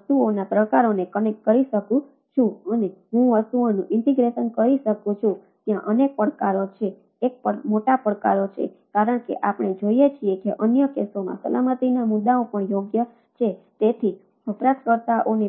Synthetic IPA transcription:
ʋəst̪uonapɾəkaɾonekənekkəɾiʃəkũ | t͡ʃʰũəneɦũʋəst̪uonũʔɪɳʈiɡɾeʃənkəɾiʃəkũt͡ʃʰũ | t̪jãʔənek̚pəɽkaɾot͡ʃʰeː | k̚pəmoʈapəkaɾot͡ʃʰḛkaɾəɳkḛʔapɳ̃ed͡ʒoiet͡ʃʰiekeʔənjəkesomã̰sə̰lamət̪inamud̪ːaopəɳjoɡjə | t͡ʃʰet̪et̪ʰi | əpɾat̪kəɾt̪aʔone

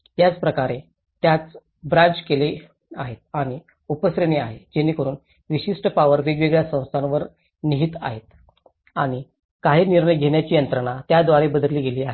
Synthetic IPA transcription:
t̪jat͡spɾəkaɾe | t̪jat͡s | bɾãɲt͡ɕkele | aɦet̪̚aɽ̃i | upəsɾeniaɦed͡ʑenːiːkəɾuːn | ʋiɕiʂʈəpaʋəɾʋeɡʋeɡɭjasə̃w̃st̪ʰãnʋəɾ | niɦiːt̪a̰ɦet̪̚ | aɽ̃i | kaɦiːniɾɳəjɡʱeɳjat͡ɕiːjənt̪ɾəɳ̃at̪jad̪ʋaɽebəd̪əɾliːɡeliːaɦe

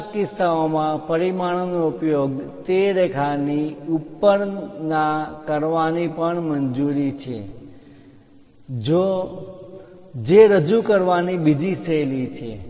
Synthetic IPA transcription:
kɪst̪aomãpəɾimaɽ̃noupjoɡt̪eɾekʰaniupːəɾnakəɾʋanipəɳmənd͡ʒuɾit͡ʃʰḛ | d͡ʒo | d͡ʒeɾəd͡ʒukəɾʋanibid͡ʒ̪isʰəelit͡ʃʰḛ

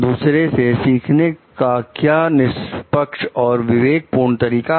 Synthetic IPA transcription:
d̪uːsɾesesiːkʰnekakjaːnɪspəkʃɔːɾʋɪʋeːɡ̚puːɾɳt̪ɐɾiːka

